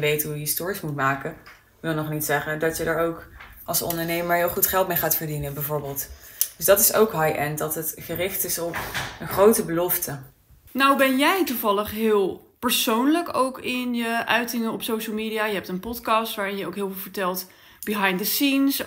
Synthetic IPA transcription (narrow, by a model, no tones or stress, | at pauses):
ʋejtɦujəistʊːɹismutmaːkə | kʋɪlˠnɔχnitsɛχəndɑtjədəɹowkɑlˠsɔ̰ndəɹnejməɹɦɪːlˠχutχɛlˠtmejχaːtfəɹdinəbɛjvʊːɹbeːlˠtd̥ɵzdɑtɪso̰wkɦɑjʔɛndɑtətχərɪχtɪsɔpənχrowtəbəlɔftə | nawbɛnjɛjtuvɑləχɦɪːlˠ | pəɹsownləkowkɪnjəʔœɥtɪŋənɔpsowʃəlˠmiːɾijaːjəɦɛp̚tənpɔtkɑstʋaːɹɪnjəowkɦɪːlˠvɪːlˠvəɹtɛlˠt | b̥iɦɑjndəsins